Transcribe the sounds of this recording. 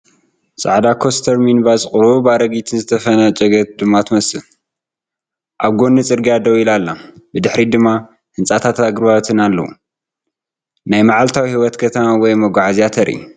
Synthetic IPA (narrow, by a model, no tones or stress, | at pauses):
sʼa̰ʕd̪akʰo̞st̪ʰɐɾminbasʼχʼɾubaɾɐɡit̪ʰɨnzɨt̪ʰɐfɐnɐt͡ʃʼɐɡɐt̪̚d̪ɨmːat̪ʰmɐsɨl | ʔaβɡo̞nːɨt͡sʼɨɾɡijad̪ɐwilalːabɨd̪ɨħɾid̪ɨmːa | hɨnsʼat̪ʰat̪aɡɨɾβaβt̪ʰɨnalːɐ̰wṵ | najmaʕalt̪ʰawihiwɔt̪kʰɐt̪ʰɐmawɔjmɐɡʷaʕaziat̪ʰɐɾʔḭ